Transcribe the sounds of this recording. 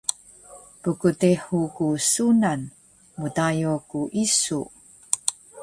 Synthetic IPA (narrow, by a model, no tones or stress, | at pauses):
pəkuteħukusunan | mutajukuʔisu